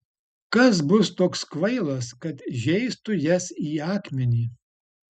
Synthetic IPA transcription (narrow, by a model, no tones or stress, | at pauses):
kɐs̬bʊst̪oːkskʋɐɪlˠɐskɐt̪ʒʲɛɪst̪ʊjɛsiːɑːkmʲɛnʲiː